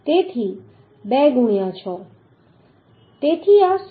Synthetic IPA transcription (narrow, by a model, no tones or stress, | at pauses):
t̪et̪ʰi | bɛɡuɽ̃ijãt͡ʃʰɔ | t̪et̪ʰias